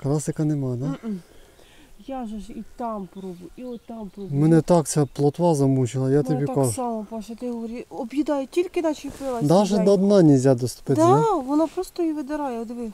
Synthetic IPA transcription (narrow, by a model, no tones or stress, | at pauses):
klˠɑsɪkɐnɛmɑd̪a | jaʒɛʒit̪ɑmpɾɔbʊiɔt̪ɑmpɾɔbmɛnɛt̪ɑk̪sʲɛplˠɔt̪ʋɑzɐmut͡ʃɪlˠɐjat̪ɔbʲikʒsɑmɔpɔʃɛt̪ɪɦɔʋɔɾʲiɔbjid̪ɑjɛtʲilʲkɪnɑʃijpɪlˠɐd̪aʒɛd̪ɔːd̪nanʲɛzʲad̪ɔst̪ʊ̥pɪtd̪aʋɔnapɾɔst̪ɔiʋɪd̪ɪɾɑjɛɔd̪ʋɪ